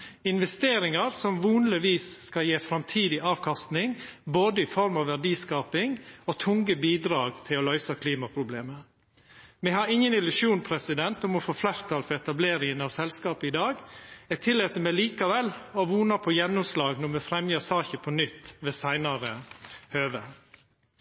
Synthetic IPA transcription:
ɪnʋɛst̪eːɾɪŋɑɾsɔmʋuːnlɪʋiːsːkɑljeːfɾɑmt̪ʰiːd̪ɪʔɑːʋkʰɑst̪nɪŋboːd̪əɪfɔɾmɑʋːæɖiːskɑːpɪŋɔt̪ʰʊŋɡəbiːd̪ɾɑːɡt̪ʰɪlɔlœʏsɑkʰliːmɑpʰɾʊbleːmə | mɛhɑɾɪŋːənɪlʉʃjuːnpʰɾɛsɪd̪ɛnt̪ɔmɔfoːflæɾt̪ʰɑlfɔɾɛt̪ɑbleːɾɪŋənɑʋsɛlskɑːpəɪd̪ɑːɡɛt̪ʰɪlːɛt̪əmɛliːkɑʋɛlɔʋuːnɑpʰɔjɛnːʊmslɑːɡnɔmɛfɾɛmjəsɑːçəpʰɔnʏt̪ːʋeːsæɪnɑɾəhøːʋə

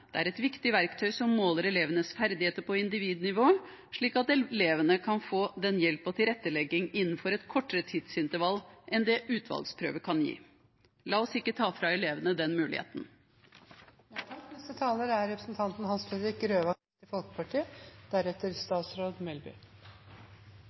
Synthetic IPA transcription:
d̪̥ɛæɾɛt̪ʋɪkt̪ɪʋæɾkt̪ʰœʏsɔmːoːləɾɛleːʋənəsfæɾd̪ɪheːt̪əɾpʰɔɪnd̪ɪʋiːd̪nɪʋoː | ʂɭiːkɑt̪ɛleːʋənəkʰɑnfoːd̪ɛnjɛlpɔt̪ʰɪlɾɛt̪ːəlɛɡːɪŋɪnːn̩fɔɾɛt̪kʰɔʈːəɾət̪ʰɪd̪sɪnt̪əɾʋɑlʔɛnd̪ɛʔʉːt̪ʰʋɑ̰lɡspʰɾø̰ːʋəkʰɑnjḭː | lɑːɔsɪkːət̪ʰɑːfɾɑɛleːʋənəd̪ɛnmʉːlɪ̰hḛːt̪n̩ | t̪ʰɑknɛst̪ət̪ʰɑːləɾæɾɾɛpɾə̥sn̩t̪ʰɑnt̪n̩hɑnsfɛd̪ɾɪkɾøːʋɑ | t̪ɪfɔlkə̥pʰɑʈʰiːəd̪̥æɾɛt̪əɾst̪ɑːt̪sɾoːd̪mɛlbʏ̰

